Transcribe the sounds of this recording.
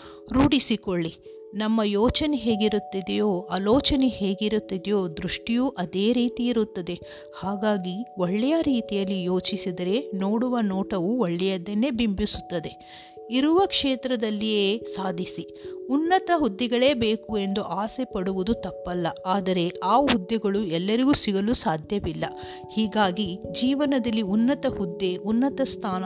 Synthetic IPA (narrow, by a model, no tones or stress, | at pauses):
ɾuːɽisikoɭːi | nɐmːɐjoːt͡ʃɐneɦeːɡiɾut̪ːid̪ɛjoːɐloːt͡ʃɐneɦeːɡiɾut̪ːid̪joːd̪ɾuʂʈijuːʔɐd̪e̞ːɾiːt̪iːɾut̪ːɐd̪e̞ | haːɡaːɡioɭːɛjaɾiːt̪ijɐlːijoːt͡ʃisid̪ɐɾe̞no̞ːɽuʋɐnoːʈɐʋuoɭːɛjɐd̪enːe̞bimbisu̥t̪ːɐd̪e̞ | iɾuʋɐkʂeːt̪ɾɐd̪ɐlːijeːsaːd̪ʱisi | unːɐt̪ɐɦud̪ːɛɡɐɭe̞ːbeːkue̞nd̪uʔaːsepɐɽuʋud̪ut̪ɐpːɐlːɐaːd̪ɐɾe̞aːɦud̪ːɛɡɐɭuɛlːɐɾiɡuːsiɡɐlusaːd̪ʱjɐʋilːɐ | hiːɡaːɡid͡ʒiːʋɐnɐd̪ɐlːiunːɐt̪ɐhud̪ːe̞ʔunːɐt̪ɐst̪ʰaːnɐ